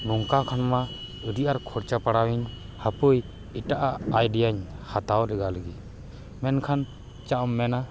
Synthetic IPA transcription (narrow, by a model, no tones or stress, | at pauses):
nuŋkakʰanma | əd̪ijaɾkʰɔɾt͡ʃapaɽawiɲ | hapuj | iʈaʔaajɖijaɲhʰat̪awlɛɡaləɡi | mɛnkʰan | t͡ʃaʔɔmːɛna